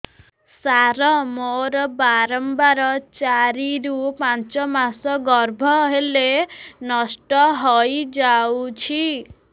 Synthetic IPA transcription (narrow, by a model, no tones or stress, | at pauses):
saɾɔmoɾɔbaɾɔmbaɾɔt͡ʃaɾiɾupant͡ʃɔmasɔɡɔɾbʱɔɦelenɔsʈɔɦɔjd͡ʒawt͡ʃʰi